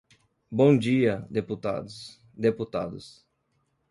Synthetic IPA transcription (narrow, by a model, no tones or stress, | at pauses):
bõd͡ʒiɐd̪eput̪a̰d̪ʊs | d̪eput̪a̰d̪ʊs